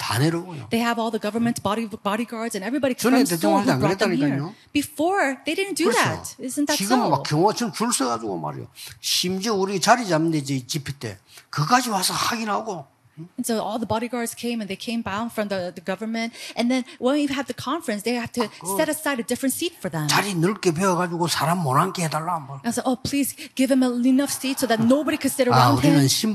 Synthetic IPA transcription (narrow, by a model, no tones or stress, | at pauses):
t̪ʰa̰neɾoɡojo̰ðeɪɨvɔlˠðəɡʌvə˞mɨ̃nsb̥ɑɾibɑɾiɡɑɹdzɨ̃nɛvɹibɑɾikʰʌnt̪̬etʰoŋãŋetaɲikaɲob̥ɨfɔɹðeɪɾɪdⁿn̩d̥ɨðætɪzɨ̃nðætiɡɯmmakʰːjʌŋʌt͡ɕʌt͡ʃuɭsʰeɡad͡ʒuɡo̰ma̰ɾḛjo̰ɕimd͡ʑeuɾit͡ɕaɾid͡ʑamɯnd̪ed͡ʑit͡ɕipʰit̪ḛkɯkad͡ʑiwasʰʌhaɡinaɡõ | nsoʊʔɔlˠðəbɑɾiɡɑɹdz̥kʰẽɪ̃mɨ̃nðeɪkʰẽɪ̃mbãʊ̃nfɹʌ̃mðɨðɨɡʌvə˞mɨ̃ntʔɨ̃nðɨ̃nwə̃nwiɨvðɨkʰɑ̃ɱfɹɨ̃nsðeɪhæftʰɨssɛɾɨsaɪɾɨdɪfɹɨ̃ntsitfə˞ðə̃mt͡ɕaɾinɯɭk͈epʰeʌɡad͡ʑuɡosʰaɾamːoɾankʰehedaɭːamãsaoʊpʰl̥izɡ̥ɪvɨ̃məinʌfsitsoʊðɨtⁿnoʊbɑɾikʰɨd̥sɪɾə˞aʊ̃uɾinɯnɕim